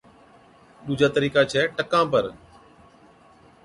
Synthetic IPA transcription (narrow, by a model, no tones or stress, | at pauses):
ɗuːd͡ʒaːt̪əɾiːkaːt͡ʃʰɛːʈəkãːpəɾ